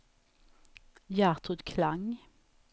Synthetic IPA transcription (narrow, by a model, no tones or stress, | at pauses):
jæːʁt̪ʰʁʉd̪kʰlɑŋ